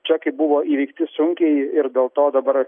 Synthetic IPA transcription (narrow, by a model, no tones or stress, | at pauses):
t͡ʃʲɛkɐɪbʊʋoʔiːʋʲɛɪkt̪ʲɪsʊŋʲkʲɛɪjɪɾd̪ʲeːlˠt̪oːd̪ɐbɐɾ